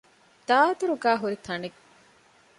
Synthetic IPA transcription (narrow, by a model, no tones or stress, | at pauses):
d̪̥aːd̪uɾuɡaːɦuɾit̪ʰɐniɡ